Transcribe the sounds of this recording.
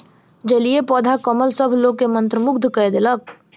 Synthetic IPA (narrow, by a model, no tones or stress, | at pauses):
d͡ʒɐliepɔːd̪ʱakəməlsəbʱloːɡ̚kemɐ̃nt̪ɾəmʊkd̪ʱkəed̪elək̚